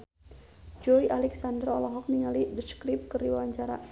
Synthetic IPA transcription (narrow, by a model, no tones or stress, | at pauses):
d͡ʒɔiʔalɛksandərɔlɔɦɔk̚niŋalidəskɾip̚kəriwaaɲt͡ʃaɾa̰